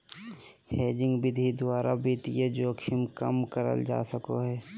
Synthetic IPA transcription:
heːd͡ʒɪ̃ŋɡbɪd̪ʱid̪ʊaːɾabʱiːt̪ijed͡ʒoːkʰɪmkəmkəɾə̰ld͡ʒa̰ːsəko̰ɦɛː

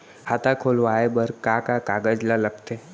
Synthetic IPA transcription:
hat̪ʰakʰoːlʋaːebəɾkakakaːɡəd͡ʒlaləkt̪e

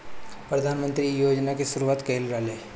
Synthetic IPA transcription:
pɾɐd̪ʱaːnmə̃nt̪ɾijoːd͡ʒnakesʊɾuaːt̪keːlɾaːleː

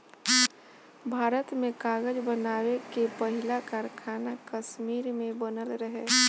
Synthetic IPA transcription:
bʱaːɾət̪mẽkaːɡəd͡ʒbənaːwekepəɦɪlakaːɾkʰaːnakəʃmiːɾmẽbənəlɾəɦe

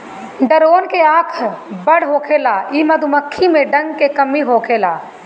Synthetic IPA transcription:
ɖəɾoːnkeaːkʰbɐɽɦoːkʰeːlaːiːmɐd̪umɐkʰːimẽɖɐ̃ŋɡ̚kekɐmiɦoːkʰeːlaː

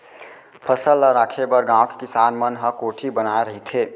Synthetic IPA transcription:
pʰəsəlːəɾaːkʰebəɾɡãːõke̥kɪsaːnmənɦəkoːʈʰibənaːeɾəɦit̪ʰeː

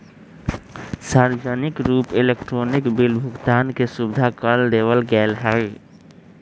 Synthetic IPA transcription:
saɾd͡ʒənikɾupelekʈɾonikbilbʱuɡt̪ankesubd̪ʱakəld̪eʋəlɡɛlɦə

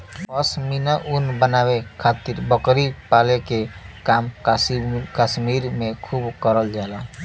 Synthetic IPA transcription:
əsminəʔunbənawekʰat̪iɾbəkɾipalekekam | kaʃmiɾmẽkʰubkəɾəld͡ʒala

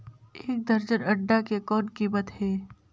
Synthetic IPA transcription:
eːk̚d̪ɐɾd͡ʒəɾɐɖːakekɔːnkibət̪ɦɛː

